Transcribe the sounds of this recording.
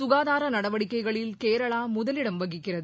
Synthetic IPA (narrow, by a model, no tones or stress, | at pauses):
sʊɣaːðaːɾɐnɐɽɐʋɐɽɪkːɐɪɣɐɭɪlkeːɾɐɭaːmʊðɐlɪɽɐmʋɐɣɪkːɪrɐðɯ